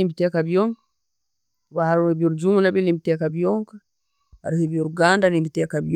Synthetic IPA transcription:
imbitɛkabijɔŋk | wahaɾubuɾd͡ʒumunabɛlimbitɛkabijɔŋka | a̰ɾhibiuɾɡandalimbitɛkabi

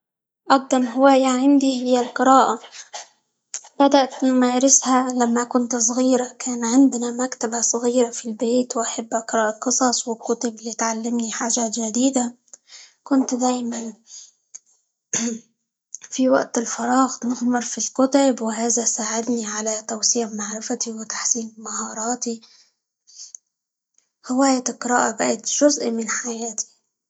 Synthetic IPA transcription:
ʔɑɡ̚d̪ɑmˤɦʊwaːjaʕɪnd̪ihɪjːalqɨɾɑːʔa | b̥ad̪aʔt̪nʊmaːɾɪshalamːakʊnt̪s̬ˤɣiːɾakʰaːnʕɪnd̪ɪnamakt̪abasˤɣiːɾafilbeːt̪wʔaħabːaqɨɾˤɑːʔɑqɨsˤɑsˤwɪlkʊt̪ablit̪ʕalːɪmniħaːʒaːt̪ʒad̪iːd̪a | kʊnt̪d̪aːjman | fiwa̰ʔt̪ɪlfɑɾˤɑːɣnɪɣmɪɾˤfilkʊt̪abwɪɦaːzasaːʕɪd̪niʕalat̪awsiːʕmaʕɾɪfat̪iwɪt̪ḁħsiːnmahɑːɾˤɑːt̪i | hɪwaːjat̪ɪqɾaːʔabaʔat̪ʒ̥ʊzʔmɪnħajaːt̪i̥

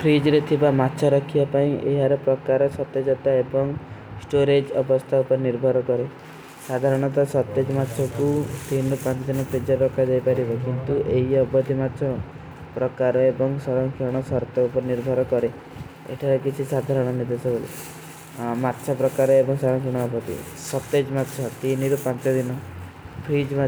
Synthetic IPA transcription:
pʰɾid͡ʒɾet̪ʰibamatːʃʰɔɾɔkʰibapaĩʔḛɦaɾɔpɾɔkaɾɔsɔt̪ed͡ʒɔt̪aebɔŋsʈoɾed͡ʒɔbɔst̪ʰaupɔɾeniɾbʱɔɾɔkɔɾe | sad̪ʱaɾɔɽ̃ɔt̪ɔsɔt̪ːed͡ʒɔmatːt͡ʃʰɔkut̪inupãt͡ʃɔd͡ʒɔnɔpʰɾid͡ʒɔɾɾɔkʰːad͡ʒajpaɾibɔkint̪uʔeɦiɔbɔd̪ʱːimatːʃʰɔ | pɾɔkaɾɔebɔŋsɔɾɔŋkʰiɽ̃ɔsɔɾt̪ɔupɔɾeniɾbʱɔɾɔkɔɾe | ḛʈʰaɾɔkit͡ʃʰisad̪ʱaɾɔɽ̃ɔnid̪esɔbolḭ | mat̪ːʃʰɔpɾɔkaɾɔebɔŋsɔɾɔ̃ŋkʰiɽ̃ɔːbɔt̪ḭ | sɔt̪ed͡ʒmat̪ːʃʰɔt̪iniɾupãnt͡ʃɔd̪inɔ | pʰɾid͡ʒma

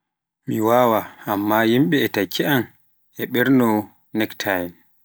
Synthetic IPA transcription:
miwaːwaamːajimɓɛːtakʰːɛan | ɛɓɛɾnɔ | nɛktʰajn

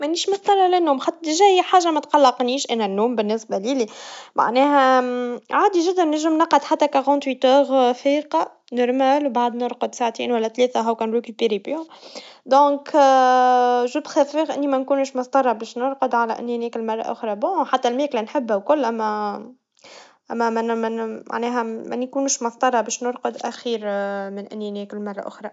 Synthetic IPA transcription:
mæʔnːiːʃmʊsˤt̪ˤɑrˤːɑlɪnːuːmxat̪ːˤʒæːjħaːʒamæt̪qɑlːɑqniːʃʔænænːuːmbɪnːɪsbælilima̰ʕnɛːɦæ | ʕaːd̪iʒɪd̪ːænnɪʒəmnɑqːɑd̪ħat̪ːækaɣɑ̃ːt̪wit̪øːɣfiːqɑ | nɑɾˤmæːlwbaʕd̪nʊɾqʊd̪saʕt̪ḭːnwælːæt̪lɛːθæɦæwkæːnɾekypeɾib | d̪ɔ̃ːk | ʒubxæfəɣʔɪnːimænkuːnʃmɑsˤt̪ˤɑrˤːɑbɛːʃnʊɾqʊd̪ʕalæʔɪ̰nːinɛːkɪlmɑrˤːɑ̰ʔʊ̰xɾˤɑbɔ̃ːħat̪ːælmeːklænħɪbːhæwkʊlːʔæmːæ | ʔæmːæmænæma̰ʕnɛːɦæmæ̰nkuːnuʃmʊst̪ˤɑrˤːɑbɛːʃnʊɾqəd̪ʔæxiːɾmɪnʔɪ̰nːinɛːkəlmɑrˤːɑ̰ʔʊ̰xɾˤɑ

